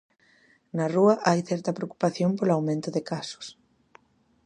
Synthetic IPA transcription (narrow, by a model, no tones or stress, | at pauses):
nɐruɐʔajθɛɾt̪ɐpɾeoku̥paθjompolawmẽnt̪ʊðɪkasʊ̥s